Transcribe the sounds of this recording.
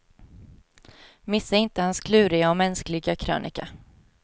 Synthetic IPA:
mɪsːaɪnt̪əhanskʰlʉ̟ːɾɪaɔmɛnsklɪɡakʰɾø̰ːnʔɪ̰ka̰

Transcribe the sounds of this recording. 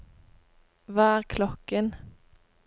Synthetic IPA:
ʋɑːæːʁkʰlɔkən

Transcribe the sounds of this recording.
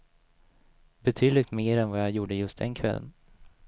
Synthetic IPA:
bɛt̪ʰyːd̪lɪɡ̚t̪meːɾɛnvɑjɑjuːɖəjɵst̪̚d̪ɛnkʰvɛlːə̰n

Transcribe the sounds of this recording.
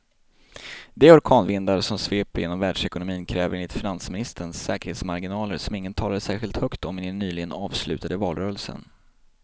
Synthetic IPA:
d̪ɛɔɾkʰɑːnvɪnd̪aɾsɔmsveːpɾjeːnɔmvæːɖʂɛkʊnʊmiːnkʰɾɛːvəɾeːnɪt̪fɪnansmɪnɪst̪əɳsɛːkəɾheːt̪smaɾɡɪnɑːləɾsɔmɪŋːənt̪ʰɑːlad̪əsæːɾɧɪlt̪hœkt̪ɔmːɛɛnːyːlɪɡənɑːvslʉ̟ːt̪ad̪əvɑːlɾœːɾəlsə̰n

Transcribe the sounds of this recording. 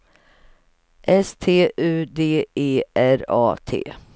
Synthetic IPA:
ʔɛst̪ʰeːʔʉ̟ːd̪eːeːæɾɑ̰ːt̪ʰḛː

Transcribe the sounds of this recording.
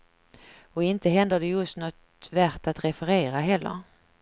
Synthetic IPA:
ɔɪnt̪əɦɛnd̪ədɛjɵst̪nɔt̪ | væɾʈ̪at̪ɾɛfəɾeːɾaɦɛlːə̰ɾ

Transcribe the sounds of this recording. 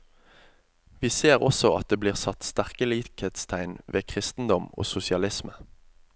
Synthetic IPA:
ʋiːseːʁɔsɔʔɑt̪̚d̪eːbliːʁsɑt̪st̪æʁkəliːkheːt̪st̪ʰæɪnʋʔeːkʰʁɪst̪n̩d̪ɔmo̰ːsʊsɪɑlɪsmə

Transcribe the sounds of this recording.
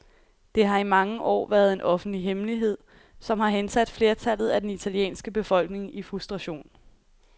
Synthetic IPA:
d̥e̝ɦɑ̈imɑ̈ŋəʔɒ̰ːʋæːɐð̞ˠe̝nʔɒ̽fn̩d̥liɦemliɦe̝ð̞̰ˠ | sɒ̽mhɑ̈ɦensæd̥fle̝ːɐt͡sʰælð̞̩ˠæd̥enit͡sʰæljḛːnsɡ̥əb̥e̝fɒ̽l̰ɡ̥ne̝ŋifʁusd̥ʁɑ̈ɕo̝̰ːn

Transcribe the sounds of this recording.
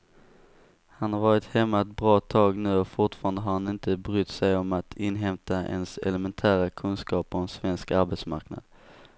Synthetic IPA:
hanhaɾvɑːɾɪt̪hɛmːat̪̚bɾɑːt̪ʰɑːɡnʉ̟ːɔfʊʈfɑːɾand̪əɦaɾhanɪnt̪əbɾʏt̪ːsɛjɔmat̪ʰɪnːɦɛmt̪aʔɛ̰nsɛ̰ləmɛnt̪ʰæːɾakʰɵnskɑːpːɔmɛnsvɛnskaɾbɛt̪sma̰ɾkna̰d̪̥

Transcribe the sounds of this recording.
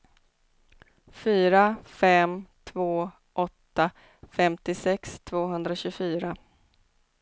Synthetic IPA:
fyːɾafɛmt̪ʰvoː | ʔɔt̪ːa | fɛmt̪ɪsɛkst̪ʰvoːɦɵnd̪ɾaɕɵfyːɾa

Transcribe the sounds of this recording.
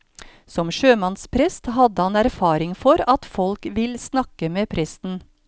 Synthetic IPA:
sɔmʃøːmɑnspʰɾɛst̪hɑd̪əhɑnæɾfɑːɾɪŋfɔɾɑt̪fɔlkʋɪlsnɑkəmeːpʰɾɛst̪n̩

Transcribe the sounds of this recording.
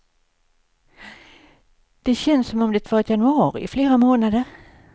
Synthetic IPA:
d̪̥ɛɕɛnsɔmɔmd̪ɛt̪ʰvɑɾɛt̪janɵɑːɾɪ̰ɪfleːɾamoːnad̪əɾ

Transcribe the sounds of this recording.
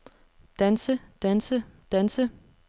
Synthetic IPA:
d̥ænsəd̥ænsəd̥ænsə

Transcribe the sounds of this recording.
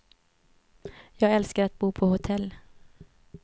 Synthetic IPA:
jɑːɡɛlskəɾat̪̚buːpʰɔhʊt̪ʰɛlː

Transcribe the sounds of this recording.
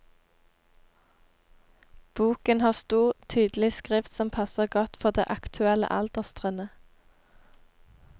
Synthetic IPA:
b̥uːkənhɑːʁst̪uːʁt̪ʰyːd̪l̩ɪskʁɪft̪sɔmpʰɑsəʁɡɔt̪fɔʁd̪ḛːʔɑkt̪ʰʉɛlə̰ʔɑld̪̥əʁst̪ʁɛnə

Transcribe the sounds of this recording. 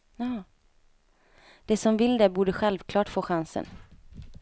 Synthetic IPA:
ɑː | d̪̥ɛsɔmvɪld̪ɛbuːɖəɧɛlvkʰlɑːʈfoːɧansə̰n

